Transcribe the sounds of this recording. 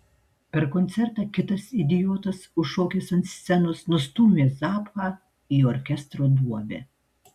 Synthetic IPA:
pʲɛɾkɔnʲt̪sʲɛɾt̪ɑːkʲɪt̪ɐsɪd̪ʲɪjoːt̪ɐsʊoːkʲeːsɐnt̪sʲsʲɛnʊsnʊst̪uːmʲezɑːpxɑː | iːɔɾʲkʲɛst̪ɾoːd̪uɔbʲḛː

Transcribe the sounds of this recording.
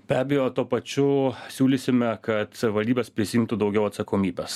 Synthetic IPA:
b̥ʲæːbʲejoːt̪uɔpɐt͡ʃʲʊsʲuːlʲɪsʲɪmʲɛkɐt̪ʋɐlʲd̪ʲiːbʲeːspʲɾʲɪsʲɪjimt̪ʊd̪ɒʊɡʲɛʊɐt̪sɐkoːmʲiːbʲes

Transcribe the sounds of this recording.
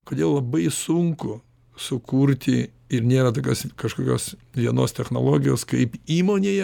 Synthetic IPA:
koːd̪ʲeːlˠlˠɐbɐɪsʊŋkʊ | sʊkuːɾʲt̪ʲɪ | ɪɾnʲeːɾɐt̪oːkʲoːskɐʃkoːkʲoːsʋʲiɛnoːst̪ʲɛxnoːlˠoːɡʲɪjoːskɐɪpiːmoːnʲeːjɛ

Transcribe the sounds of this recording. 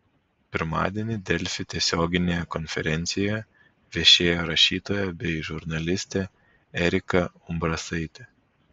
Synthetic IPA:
pʲɪɾmɑ̰ːd̪ʲiɛnʲɪd̪ʲɛlʲfʲɪt̪ʲiɛsʲoːɡʲɪnʲeːjɛkɔnʲfʲɛ̰ɾʲɛnʲt̪sʲɪjɛ | ʋʲɛʃʲeːjoːɾɐʃʲiːt̪oːjɛbʲɛɪʒʊɾnɐlʲɪsʲt̪ʲe | ɛɾʲɪkɐ | ʊmbɾɐsɐɪt̪ʲɛ

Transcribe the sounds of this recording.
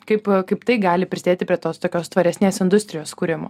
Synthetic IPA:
kɐɪpkɐɪpt̪ɐɪɡɑːlʲɪpʲɾʲɪsʲɪd̪ʲeːt̪ʲɪpʲɾʲiɛt̪oːst̪oːkʲoːst̪ʋɐɾʲɛsʲnʲeːsɪnd̪ʊsʲt̪ʲɾʲɪjoːskuːɾʲɪmo̰ː

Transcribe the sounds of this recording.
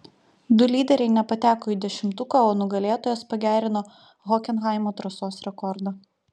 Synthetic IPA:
d̪ʊlʲiːd̪ʲɛɾʲɛɪnʲɛpɐt̪ʲæːkoːiːˑd̪ʲɛʃʲɪmt̪ʊkɐoːnʊɡɐlʲeːt̪oːjoːspɐɡʲæːɾʲɪnoː | ɣɔkʲɛnɣɑˑɪmoːt̪ɾɐsoːsɾʲɛkɔɾd̪ɐ

